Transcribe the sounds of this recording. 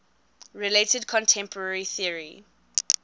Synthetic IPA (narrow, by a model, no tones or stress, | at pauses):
ɹiletədkʰɔ̃ntʰɛ̃mpʰəɹɛɹiθiəɹi